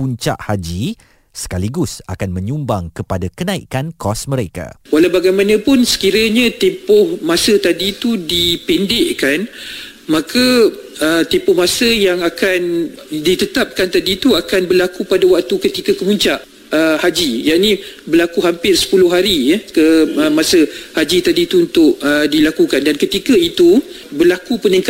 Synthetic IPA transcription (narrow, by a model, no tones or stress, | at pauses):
uɲt͡ʃa̰ʔhad͡ʒi | sə̥kaliɡusa̰kanmə̃ɲumbaŋkəpadakənãḭkankɔsməɾeka̰walawbaɡajmanə̃pʊnsə̥kiɾaɲãt̪empʊhmãsət̪adit̪udipɛndeʔkan | mãkʰa | ət̪empʊhmasəjaŋakan | dit̪ət̪ap̚kant̪adit̪uakanbərlakupadawak̚t̪ukət̪ikakəmuɲt͡ʃaʔ | əhad͡ʒijaʔnĩbərlakuɦampɪrsə̥pulʊhɦaɾijəkəəmãsəhad͡ʒit̪adit̪uunt̪ʊʔədilakukandankət̪ikait̪u | bərlakupəniŋka